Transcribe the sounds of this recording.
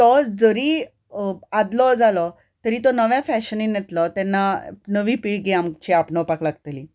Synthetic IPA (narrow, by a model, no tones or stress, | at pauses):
t̪ɔd͡zəɾiː | ad̪lɔd͡zalɔ | t̪əɾiːt̪ɔnəʋjãfɛɕəninjɛt̪lɔt̪anːanəʋiːpiɭɡiamt͡ɕiapnɔpaklaɡt̪liː